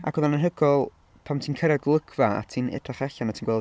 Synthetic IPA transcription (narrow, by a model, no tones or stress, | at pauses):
a̰ɡ̥ɔðanənɦəɡɔlˠ | pʰamtʰiːnkʰəɾaɡlˠəɡvaa̰tʰiːnɛ̰draχɛɬanatʰiːnɡwɛlˠ